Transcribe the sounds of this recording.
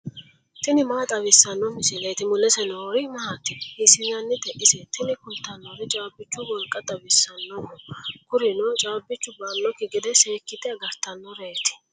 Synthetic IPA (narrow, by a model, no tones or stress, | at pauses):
t̪ɪnɪmaːt̪ʼɐβɪsːɐnːɔmɪsɪlɛjt̪ɪmʊlɛsɛnoɾɪmɐɦɐt̪ːɪhisɪjanːɪt̪ɛʔɪsɛt̪ɪnɪkʊlt̪ːɐnːɔɾɛt͡ʃʼaːbːɪt͡ʃːʊwɔlkʼːɐt̪ʼɐwɪsːɐnːɔwɔkʊɾɪnot͡ʃʼaːbːɪt͡ʃːʊbanːɔkɪɡɪd̪ɛseːkːɪt̪ɪɐɡɐɾt̪ːɐnːɔɾeːt̪ɪ̥